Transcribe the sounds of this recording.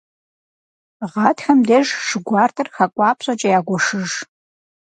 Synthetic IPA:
ʁɑtxɐmdɐʒʂɨɡʷɑːrtʰʼɐrxɐkʷʼɑːpɕʼɐt͡ʃʼɐjaːɡʷɔʂɨʒ

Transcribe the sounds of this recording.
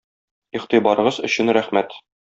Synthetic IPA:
iʁt̪ibɒɾɤ̆ʁɤzɵ̆ɕɘnɾæχmæt̪

